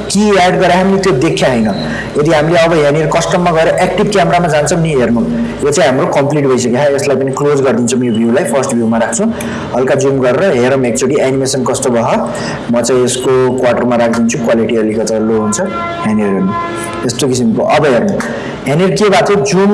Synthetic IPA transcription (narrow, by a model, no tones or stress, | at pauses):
kiaɖɡʌɾjaɦamilet̪jod̪ekʰjaɦʌjnʌ | ed̪iɦamileʌbʌɦenerkʌsʈʌmːaɡʌeɾʌʔek̚ʈibkjameɾamad͡zant͡sʰʌmniɦernujot͡saĩɦamrokʌmpliʈ̚bʱʌjsʌkjaɦʰaeslajpʌniklod͡zɡʌrd̪int͡sʰʌmiobʱjulajpʰʌrsʈbʱjumaɾak̚ʰt͡sʰũ | ɦʌlkad͡zumɡʌɾeɾʌɦeɾʌ̃ek̚t͡soɽiʔanimesʌnkʌsʈ̪obʌɦʌ | mʌt͡saĩeskokwaʈʌrmaɾak̚ʰd̪int͡sʰukwaliʈiʌlikʌt̪aloɦunt͡sʰʌ | ɦaneɾɦenu | est̪okisimkoʔʌbʌɦernũ | ɦanerkebat̪ʰʌd͡zum